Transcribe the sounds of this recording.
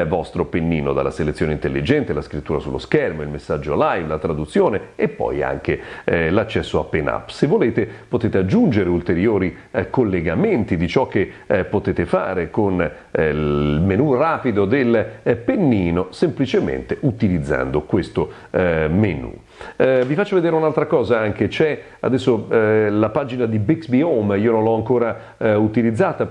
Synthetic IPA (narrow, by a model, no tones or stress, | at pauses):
vɔst̪ɾopenːiːnod̪a̰lːaselet̪sːjoːneint̪elːid͡ʒɛnt̪elaskɾit̪ːuːɾasulːoskɛrmoilmesːad͡ʒːolajvlat̪ɾad̪ut̪sːjoːneepːɔ̰ja̰ŋk̟elat͡ʃːɛsːoapːena̰pːsevːoleːt̪epot̪eːt̪ead͡ʒːund͡ʒeɾeult̪eɾjoːɾi | kolːeɡament̪id̪it͡ʃɔk̟ːepːot̪eːt̪efa̰ːɾekon | lmenuraːpid̪od̪elpenːiːnosemplit͡ʃemḛnt̪eut̪ilid̪zːa̰nd̪okwest̪o | menṵ | vifat͡ʃːoved̪eɾeunalt̪ɾakɔːzaaŋk̟et͡ʃɛ | a̰d̪ɛsːolapaːd͡ʒinad̪ibiksbiomiːonõnlɔaŋkoːɾa | ut̪ilid̪zːaːt̪a